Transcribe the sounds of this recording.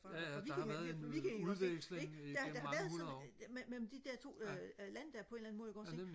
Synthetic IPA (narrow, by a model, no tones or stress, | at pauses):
ʋi̥ɐikʰæeseeɡd̥ɑd̥ɑ̈hɑʋæːɐðˠsɔmemelm̩d̥id̥eɐ̰t͡sʰo̝̰ːlænəd̥æɐpʰɒ̽e̝nlæn̩moðˠjɡɒ̥̽se̝